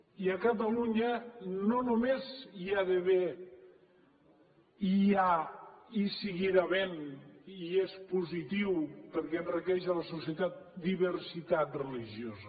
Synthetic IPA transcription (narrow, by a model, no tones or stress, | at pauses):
iəkət̪əluɲənonumeziaðeβe | ia | isiɣiɾaβɛniespuzit̪iwpəɾkɛənrikɛʒələsusiət̪at̪̚d̪iβəɾsit̪at̪reliʒjozə